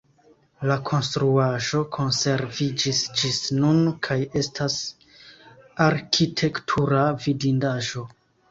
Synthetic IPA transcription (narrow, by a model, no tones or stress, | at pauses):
lakʰo̞nstɾuaʒo̞kʰo̞nse̞ɾvid͡ʒisd͡ʒisnunkʰaje̞stʰas | aɾkʰitʰe̞ktʰuɾavidindaʒo̞